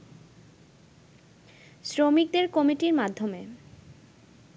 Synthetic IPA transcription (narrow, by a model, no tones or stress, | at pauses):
sɾomik̚d̪eɾkɔmiʈiɾmad̪ʱːome